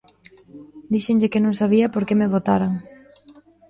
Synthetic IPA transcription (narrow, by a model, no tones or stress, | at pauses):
d̪iʃeŋʎɪkɪnõŋsaβiɐpoɾkemeβot̪aɾaŋ